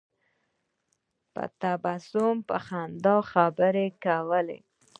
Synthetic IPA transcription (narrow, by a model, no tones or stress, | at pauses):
pə̰t̪abasʊmpəxand̪ɑxabəɾekawəlḛ